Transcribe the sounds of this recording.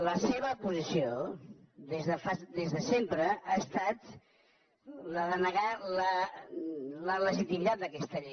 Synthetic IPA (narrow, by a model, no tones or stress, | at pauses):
ləseβ̞əːpuzisio | ðezðəfasd̪ezðəsempɾəaːst̪at̪ | ləðənəɣalə | lələʒit̪imit̪at̪̚d̪əkɛst̪əʎe